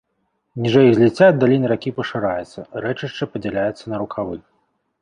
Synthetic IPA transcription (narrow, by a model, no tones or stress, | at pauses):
nʲiʐɛjɣzʲlʲit͡sʲːaɐd̪ːalʲinɨɾakʲipɐʂɨɾajɛt̪sːɐɾɛt͡ʂɨʂt͡ʂɐpɐd͡zʲɛlʲajɛt̪sːɐnɐɾukʰavɨx